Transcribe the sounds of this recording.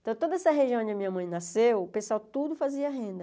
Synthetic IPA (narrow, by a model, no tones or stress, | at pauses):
ẽt̪ɐ̃w̃t̪od̪ɐɛsɐɦeʒiɐ̃d͡ʒɪɐmĩɲɐmɐ̃j̃nasewpẽsawt̪ud̪ʊfaziɐɦẽnd̪ɐ